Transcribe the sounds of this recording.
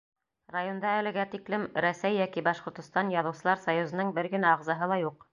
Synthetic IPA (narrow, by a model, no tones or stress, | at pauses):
rajo̞nd̪ɑælɘ̆ɡæt̪iklɘmɾæsæjːækibɑʃqŏɾt̪ɤ̆st̪ɑnjɑðɤ̆wsɤ̆lˠɑɾsɑjuzɤ̆nɤɴbɘɾɡɘ̆næɑʁzɑɦɤlˠɑjuq